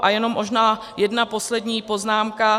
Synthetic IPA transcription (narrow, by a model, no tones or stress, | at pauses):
ʔajɛno̞mːo̞ʒnaː | jɛdnapo̞slɛdɲiːpo̞znaːmka